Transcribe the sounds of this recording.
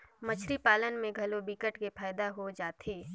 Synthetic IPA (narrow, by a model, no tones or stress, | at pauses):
mət͡ʃʰɾipaːlənmẽɡʱɐlobikəʈkepʰaːjd̪aɦod͡ʒaːt̪ʰeː